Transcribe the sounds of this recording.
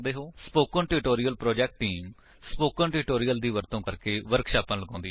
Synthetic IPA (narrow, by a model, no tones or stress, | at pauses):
d̪eːɦoːspoːkə̃nʈɪʈoːɾijəlpɾɔːd͡ʒɛːk̚ʈːiːm | spoːkə̃nʈɪʈoːɾijəld̪iːʋəɾt̪õːkəɾkeːʋəɾkʃaːpə̃nləɡãːnd̪iː